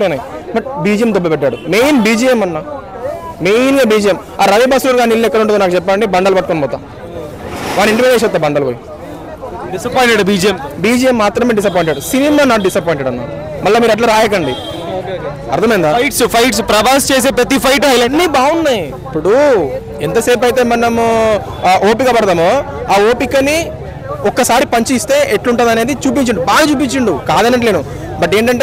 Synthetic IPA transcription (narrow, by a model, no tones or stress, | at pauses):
enaːjimɐʈbiːd͡ʒijemd̪obːɐpɛʈːaːɽumeːjnbiːd͡ʒijemɐnːaː | meːnɡɐbiːd͡ʒijem | aːɾɐʋibaːsɾuːɾɡaːnilːɛkːɐɽuɳʈund̪naːkut͡ʃɛpːaːnɐɳɖibɐɳɖɐːlɐbɐʈ̚konbɔːt̪aː | ʋaːɳːiɳʈimiesɛt̪ːaːbɐɳɖɐːlɐboji | isɐpːjɳʈeɽbiːd͡ʒiɐmbiːd͡ʒijemːaːt̪ɾɐmeːɖis̬ɐp̬oːjɳʈeɽusinimaːnaːʈ̚ɖisɐpojiɳʈeɽɐnːa | mɐlːaːmiːɾɐʈ̬laːɾaːjɐk̬ɐɳɖi | ɐ̰ɾt̪ʰɐmɐjind̪aːʈspʰɐjʈs̬pɾɐʋaːst͡ʃeːs̬e̞ːpɾɐt̪̬ipʰɐjʈɐjlɐnibaːunːaːj | ipːuɽu | ent̪ɐse̞ːp̬ɐjt̪e̞ːmɐnɐm | ʔoːpikɐbɐɽɐd̪aːmu | aːo̞ːpikːɐnːi | ɔkːɐsaːɾipɐɲt͡ʃuist̪e̞ːʔeʈluɳʈund̪ɐne̞ːd̪it͡ʃuːp̬iɲt͡ʃiɳɖubaːɡɐt͡ʃuːp̬iɲt͡ʃiɳɖukaːd̪ɐnɐʈle̞ːnu | bɐʈːe̞ːɳʈɐɳʈeː